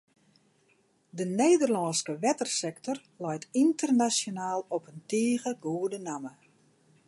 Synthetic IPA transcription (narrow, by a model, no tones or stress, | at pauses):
dəneːdərlɔːnskəʋɛtərsɛktɔr | lɛjtintərnasjonaːlˠɔpənteːɣəɡoədənamə